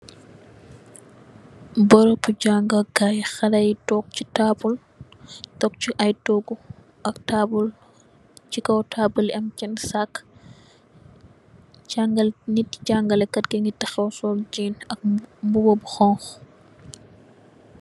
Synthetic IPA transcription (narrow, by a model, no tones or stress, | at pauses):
bɔɾɔpuɟaŋɡɐɡajxɐɾɐjtɔk̚t͡ʃitabul | tɔk̚t͡ʃuʔɐjtɔɡu | ʔɐktaːbul | t͡ʃikɐwtʰaːbulɐmt͡ʃɛnsak | caŋɡɐlnitcaŋɡɐlɛkɐtɡeŋɡitɐxɛwsɔːld͡ʒiːnɐk̚mbubɔbxɔŋx